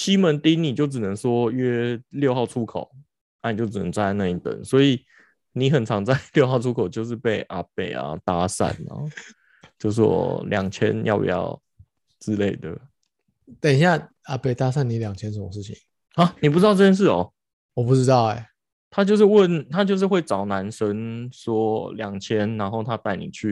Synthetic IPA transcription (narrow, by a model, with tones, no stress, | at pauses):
ɕi˦mə˨˦nt̪i˥ŋni˨˩t͡ɕjo˥˩ʊʈ͡ʂ̩˨˩nə˧˦ŋswɔ˦ɥɛ˥ljo˥˧ʊxɑ˥˩ʊʈ͡ʂʰu˦˥kʰo˨˩˦ʊ | na˥˩ni˨˩t͡ɕjo˥˩ʊʈ͡ʂɻ̩˨˩nə̰˧˦ŋt͡swa˥˧a˥˧na˥˧i˥t̪ə̰˨˩˦nswɔ˧˥i˨˩ | ni˨˦xə˨˩nt͡sʰɑ˧˥ŋt͡sa˥˧ɪljo˥˧ʊxɑ˥˩ʊʈ͡ʂʰu˥kʰo˨˩ʊt͡ɕjo˥˧ʊʂ̬ɻ̩˥˧pe˥˩ɪʔa˨pe˨˩ɪa̰˨˩t̪a˦sa̰˥˨˩nna̰˦ | t͡ɕjo˥˧ʊs̬ɔ̰˥ljɑ̰˨˩ŋt͡ɕʰjɛ̰˦njɑ̰˥˨ʊḭ˨˩jɑ̰˥˩ʊ | ʈ͡ʂɻ̩˥le˥˩ɪd̪ə˩ | t̪a˨˩˨ɕja˥˩ | a˨˥pe˥˩ɪt̪a˥sa˥˨ni˨˥˦ljɑ˨˩ŋt͡ɕʰjɛ˥nʂ̬ə˧˥mə˧ʂ̬̩˥˩t͡ɕʰi˨˩ŋ | ɐ˦ni˨˩pu˥˩ʈ͡ʂɻ̩˥ɑ˥˧ʊt͡sə˥˩jɛ˥nʂɻ̩˥˩ɔ̰˨˩ | wɔ˨˩pu˥˩t͡sɻ̩˥t̪ɑ˥˩ʊe˨˩ | t̪ʰa˥t͡ɕjo˥˧ʊʂ̬ɻ̩˥˧wə˥˨nt̪ʰa˥t͡ɕjo˥˧ʊʂ̬ɻ̩˥˧xwe˥˩ɪt͡sɑ˨˩ʊna˧˦nʂə˦ŋswɔ˥ljɑ˨˩ŋt͡ɕʰjɛ˦˥nna˧˥nxo˥ʊt̪ʰa˦˥t̪a˥˩ɪni˨˩t͡ɕʰy˥˨